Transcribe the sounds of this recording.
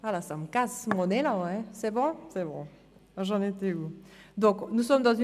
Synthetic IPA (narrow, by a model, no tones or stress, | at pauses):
alasamkasmɔnelãɛ̃sɛbɔ̃sɛbɔ̰̃ | ʒɑ̃net̪eud̪ɔ̃knusɔmd̪ɑ̃zy